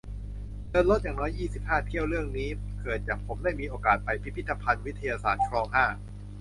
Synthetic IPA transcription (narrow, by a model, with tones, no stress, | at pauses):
dɤː˧nlo˦˥t̪̚jaː˨˩ŋnɔː˦˥jʔiː˥˩si˨˩p̚haː˥˩t̪ʰi˥˩əwɾɯ˥˩əŋniː˦˥ | kɤː˨˩t̪̚jaː˨˩ŋpʰo˩˦mdaː˥˩jmiː˧ʔoː˧kaː˨˩t̪̚pa˧jpʰi˦˥pʰi˦˥t̪ːa˧pʰa˧nwi˦˥t̪ʰːa˧jaː˧sa̰ː˨˩t̪̚kʰɾɔː˧ŋɦaː˥˩